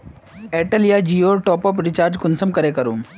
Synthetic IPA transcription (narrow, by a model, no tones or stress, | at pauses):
eːʈəlijad͡ʒioːʈɔːpɔːpɾɪt͡ʃaːɾd͡ʒkʊnsəmkɐɾekɐɾuː